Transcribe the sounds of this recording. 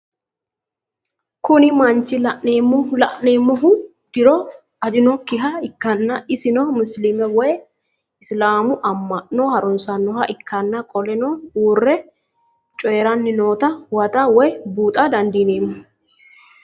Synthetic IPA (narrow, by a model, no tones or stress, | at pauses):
kʊnɪmɐnt͡ʃːɪlɐʔneːmːʊlɐʔneːmːɔɦʊ | d̪̥ɪɾɔ | ɐd͡ʒɪnɔkːɪɦɐɪkːɐnːɐɪsɪnɔmʊslɪmɛwɔj | ɪslaːmʊʔɐmːɐʔnɔhɐɾʊnsɐnːɔhɐʔɪkːɐnːɐkʼɔlɛnɔuːrːɛ | t͡ʃʼɔjɛɾɐnːɪnoːt̪ɐwɐt̪ʼɐwɔjbuːt̪ʼɐd̪ɐnd̪iːneːmːʊ